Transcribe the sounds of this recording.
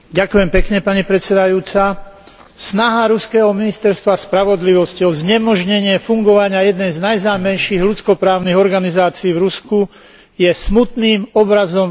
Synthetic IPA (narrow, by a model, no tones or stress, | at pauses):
ɟakujɛmpɛkɲɛpaɲipɾɛt̪t͡sɛd̪ajuːt͡sa | snaɦaɾuskɛːɦɔminist̪ɛɾst̪ʋaspɾaʋɔd̪liʋɔsciɔzɲɛmɔʒɲɛɲɪɛfuŋɡɔʋaɲɪajɛd̪nɛjznajznaːmɛjʃiɣlut͡skɔpɾaːʊniɣɔɾɡanizaːt͡siiːvɾusku | jɛsmut̪niːmɔbɾazɔm